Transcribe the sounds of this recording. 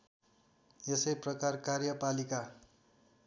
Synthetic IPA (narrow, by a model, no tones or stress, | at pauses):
jesʌjprʌkarkarjʌpalika